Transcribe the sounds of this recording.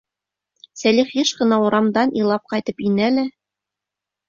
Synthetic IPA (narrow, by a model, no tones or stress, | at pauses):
sæliχjiʃqɤ̆nɑuɾɑmd̪ɑnʔilˠɑp̚qɑjt̪ɤpinælɘ